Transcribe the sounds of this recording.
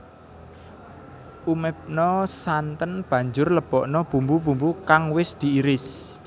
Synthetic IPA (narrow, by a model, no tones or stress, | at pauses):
umɛp̚nɔsant̪ənb̥ä̤ɲd͡ʒʊrləb̥ɔʔnɔb̥umbubṳmbukaŋwɪsd̪̥i̤iɾɪs